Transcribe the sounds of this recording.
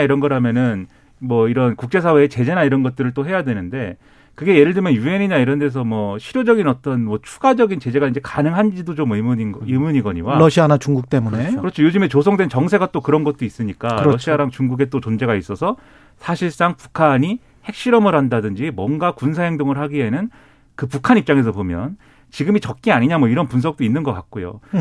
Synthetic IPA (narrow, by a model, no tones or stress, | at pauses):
iɾʌnɡʌɾɦamjʌnɯn | mwʌiɾʌnkuk̚t͡ɕ͈e̞sʰawe̞ːt͡ɕe̞d͡ʑe̞naiɾʌnɡʌt̚t͈ɯɾɯɭt͈oɦe̞jadwe̞nɯnde̞ | kɯɡe̞jeɾɯɭdɯmjʌnjue̞ɲiɲaiɾʌnde̞s̬ʰʌmwʌɕʰiɾjod͡ʑʌɡinʌt͈ʌnmwʌt͡ɕʰu̥ɡad͡ʑʌɡint͡ɕe̞d͡ʑe̞ɡaind͡ʑe̞kanɯŋɦand͡ʑidot͡ɕommiimuɲiɡʌɲiwaɾʌɕʰianat͡ɕuŋɡuk̚t͈emunekɯɾʌt͡ɕʰojod͡ʑɯme̞t͡ɕos̬ʰʌŋdwe̞nt͡ɕʌŋsʰe̞ɡat͈okɯɾʌnɡʌt̚t͈ois͈ɯɲik͈aɾʌɕʰiaɾaŋt͡ɕuŋɡuɡe̞t͈ot͡ɕond͡ʑe̞ɡais͈ʌsʰʌ | sʰaɕʰiɭs͈aŋpu̥kʰaɲi | he̞k̚ɕ͈iɾʌmɯɾɦandadɯnd͡ʑimwʌnɡakunsʰaɦeŋdoŋɯɭhaɡiɦe̞nɯn | kɯpukʰanip̚t͡ɕ͈aŋe̞sʰʌpomjʌ̰n | t͡ɕiɡɯmit͡ɕʌk̚k͈iaɲiɲamwʌiɾʌnpunsʰʌk̚t͈oinːɯnɡʌk͈ak̚k͈ojo̰